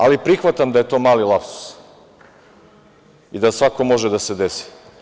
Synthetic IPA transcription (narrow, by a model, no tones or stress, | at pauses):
alipɾixʋat̪amd̪aje̞t̪o̞ːmaːlilˠapsu̥s | id̪asʋako̞mo̞ʒed̪ase̞d̪esi̥